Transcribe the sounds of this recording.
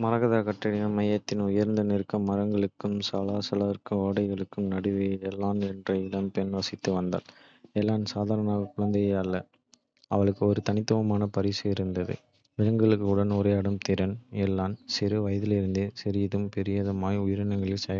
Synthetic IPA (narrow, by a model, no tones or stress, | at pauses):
mɐɾɐɣɐðaːkɐʈːrɐɽɪjɐmɐjɐt̪ːɪnʊjɐɾnd̪ɐnɪrkːɐmːɐɾɐŋɡɐɭɯkːɯmsɐlaːsɐlɐɐɾkːɯoːɽɐɪɣɐɭɯkːɯmnɐɽɯʋɐjɛlːaːnɛndrɐɪɽɐmpɛnʋɐsɪt̪ːɯʋɐnd̪a̰ːl | ɛlːaːnsaːðaːɾɐnaːɣɐkʊɭɐnd̪ɐjɐɐlːɐ | ɐʋɐɭɯkːɯɔɾɯt̪ɐnɪt̪ːɯʋɐmaːnɐpɐɾiːsɯɪɾɯnd̪ɐðɯ̰ | ʋɪɾɐŋɡɐɭɯkːɯʊɽɐnʊɾɐɪɐɽɯmt̪ɪɾɐnɛlːaːnsɪɾɯʋɐjɐðɪlɪɾɯnd̪ɯsɛɾɪjɐðɯmpɛɾɪjaːðɯmaːjʊjɐɾɯnɐŋɡɐɭɪsɐ